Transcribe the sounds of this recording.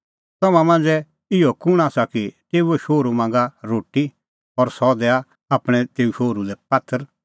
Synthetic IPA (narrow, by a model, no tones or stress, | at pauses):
t̪ɔmãmãnd͡zɛ | ɪɔkʊɽ̃aːsakit̪eːuɛʃoːɾumãːŋ̆ɡaɾoːʈi | ɔɾsɔd̪ɛːa | aːpɽ̃ɛ̃t̪eːuʃoːɾulɛpɐt̪ʰːəɾ